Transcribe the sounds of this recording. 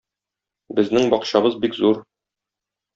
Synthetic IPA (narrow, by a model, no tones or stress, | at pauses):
bɘ̆znɘŋbɒqɕɑbɤzbikzuɾ